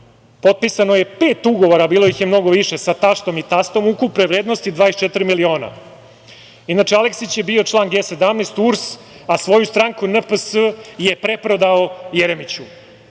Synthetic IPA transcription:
po̞t̪̚pisano̞je̞pe̞ːt̪uɡoʋo̞ɾabiːlojixjemno̞ɡo̞ʋiʃe̞sat̪aʃt̪o̞mit̪ast̪o̞mukupneʋɾeːd̪nost̪id̪ʋaːest͡ʃet̪ɾimilio̞ːna̰ | inat͡ʂeale̞ksit͡ɕje̞bio̞t͡ʃlˠaːnɡeːse̞d̪amneːst̪uɾs | asʋo̞just̪ɾaŋkunəpəsəje̞pɾe̞pɾo̞d̪aojeɾemit͡ɕu

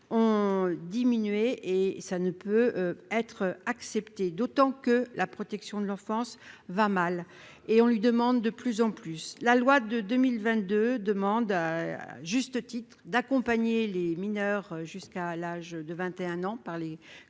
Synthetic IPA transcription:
ɔ̃d̪iminɥeʔesanəpøɛt̪χaksɛpt̪ed̪ot̪ɑ̃kəlʔapχɔt̪ɛksjɔ̃d̪əlɑ̃fɑ̃svamal | eɔ̃lɥid̪əmɑ̃d̪ːəplyzɑ̃plyslalwad̪əd̪ømilvɛ̃t̪̚d̪ød̪əmɑ̃d̪aʒyst̪ət̪it̪χd̪akɔ̃paɲeleminœʁʒyskalaʒd̪əvɛ̃t̪eɛ̃nɑ̃paʁle

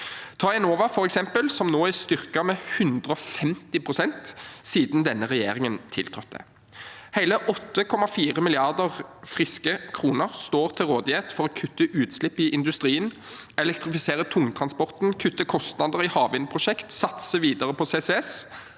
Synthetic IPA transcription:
t̪ʰɑːɛnoːʋɑfɔʁɛksɛmpəlsɔmnoːæst̪ʏʁkɑmɛhʉnd̪ʁəɔfɛmt̪ɪpʰʁʊsɛnt̪siːd̪nd̪ɛnːəʁɛjeːʁɪŋənt̪ʰɪ̰lt̪ʰɾɔt̪̚d̪ɛ̰ | hæɪləʔɔt̪ːəkʰɔmɑfiːʁəmɪlɪɑʁd̪əʁfʁɪskəkʰɾuːnəʁst̪oːʁt̪ʰɪlʁoːd̪ɪeːt̪fɔʁɔkʰʉt̪ːəʔʉːt̪slɪpːɪʔɪnd̪ʉst̪ʁiːən | ɛlɛkt̪ʁɪfɪseːɾət̪ʰʊŋt̪ʰʁɑnspɔʁt̪n̩kʰʉt̪ːəkʰɔst̪nɑd̪əʁɪhɑːʋɪnpʰʁʊʃɛkt̪sɑt̪səʋiːd̪əʁəpʰɔseːsɛɛs

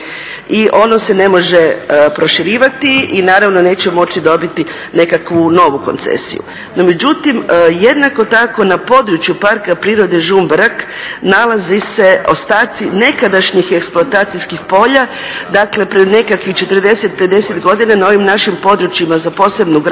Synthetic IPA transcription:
iʔo̞no̞se̞ne̞mo̞ʒepɾo̞ʃiɾiːʋat̪iinaːɾaʋno̞ne̞ːt͡ɕemo̞t͡ɕid̪o̞bit̪i | ne̞kakʋuno̞ʋuko̞nt̪sḛsḭjṵ | nome̞d͡ʒut̪imje̞d̪nako̞t̪ako̞napo̞ːd̪ɾut͡ʃjupaɾkapɾiːɾo̞d̪eʒumbɾak | nalazise̞o̞st̪aːt̪sine̞kad̪aʃɲixeksplˠoat̪aːt̪sijskixpo̞ʎa | d̪akle̞pɾed̪ne̞kakixt͡ʃe̞t̪əɾd̪e̞set̪̚pe̞d̪e̞set̪ɡo̞d̪inanao̞ʋimnaʃimpo̞d̪ɾut͡ʃjimazapo̞ːse̞bnuɡɾ

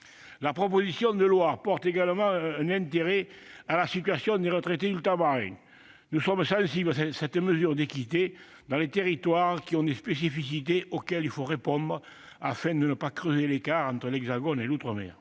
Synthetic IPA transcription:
lapχop̬ozisjɔ̃nd̪əlwapɔʁt̪eɡaləmɑ̃ɛnɛ̃nt̪eʁealasit̪ɥasjɔ̃nd̪eʁət̪ʁet̪ed̪yt̪abaʁɛ̰̃ŋ | nusɔmsɑ̃siblɛsɛt̪əməzyʁd̪ekit̪e | d̪ɑ̃let̪eʁit̪waʁkiɔ̃d̪espes̬ifis̬it̪eʔokɛlilfoʁepɔ̃nd̪ʁə | afɛ̃d̪ənəpakʁøzelekaʁɑ̃nt̪ʁəlɛɡzaɡɔnelut̪ʁəmɛ̰ʁ

